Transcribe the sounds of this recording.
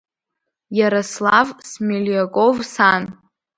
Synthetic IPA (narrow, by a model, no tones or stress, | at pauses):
jaɾaslavsmeljakʼovsan